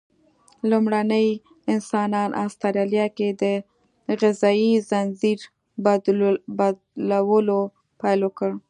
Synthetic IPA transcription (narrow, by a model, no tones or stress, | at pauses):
lumɽanəj | ɪnsɑnɑnʔɑ̰st̪aɾɑlijɑked̪ə | ɣɪzɑizanziɾ | bd̪bad̪lawəlo | pajlokəɽ